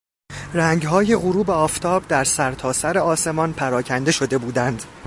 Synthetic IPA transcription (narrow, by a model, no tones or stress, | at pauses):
ræŋɟɦɒːjeɣuɾuːbeɒːft̪ʰɒːbd̪æɾsæɾt̪ʰɒːsæɾe̞ɒːse̞mɒnpʰæɾɒːcʰænd̪e̞ʃod̪e̞buːd̪ænd̪̥